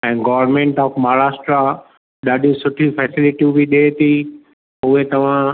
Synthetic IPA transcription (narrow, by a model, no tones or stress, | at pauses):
ɛ̃ːɡɔːʋəɾnmẽːɳʈɔːfmaːɾaːsʈɾa | ɗaːɗĩsʊʈʰifɛːsɪlɪʈiubʱiɗeːt̪ʰi | ʊɦet̪ɐʋ̤ã